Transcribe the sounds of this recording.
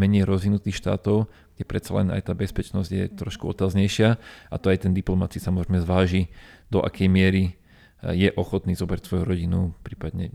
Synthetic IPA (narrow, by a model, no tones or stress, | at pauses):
mɛɲɛjɾɔzʋinut̪iːxʃt̪a̰ːt̪ɔʊ | ɡ̥ɟɛpɾɛt̪t͡salɛ̰na̰jt̪aːbɛspɛt͡ʃnɔzɟjɛ̰t̪ɾɔʃkuɔt̪aːzɲɛjʃɪaʔat̪ɔajt̪ɛnd̪iplɔmat͡siisamɔzɾɛjmɛzʋaːʒid̪ɔʔa̰kʰɛjmɪɛɾi | jɛʔɔxɔt̪niːzɔbɾacsʋɔjuɾɔɟinupɾiːpad̪ɲɛ̰